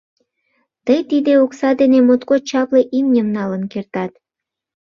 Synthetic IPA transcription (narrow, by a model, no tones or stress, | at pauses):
t̪əjt̪id̪eoksɑd̪enemot̪kot͡ɕɑpleʔimnʲəmnɑlənkert̪ɑt̪